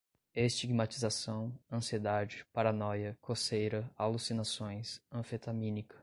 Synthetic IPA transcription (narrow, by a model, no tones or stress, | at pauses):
est͡ʃiɡmat͡ʃizasɐ̃w̃ɐ̃sied̪ad͡ʒɪpaɾanɔjɐkʰosejɾɐalusinasõj̃sɐ̃fet̪amĩnikɐ̥